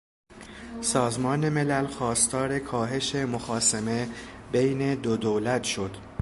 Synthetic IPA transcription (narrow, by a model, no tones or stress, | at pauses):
sɒːzmɒːne̞me̞lælxɒːst̪ʰɒːɾe̞kʰɒːɦe̞ʃemoxɒːseme̞bejne̞d̪od̪owlæt̪ʰʃo̞d̪̥